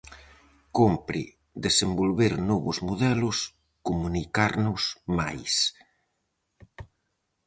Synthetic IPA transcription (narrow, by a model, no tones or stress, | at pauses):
kompɾḭ | d̪esembolβeɾnɔβʊzmoðɛlʊs | komunikaɾnʊsma̰js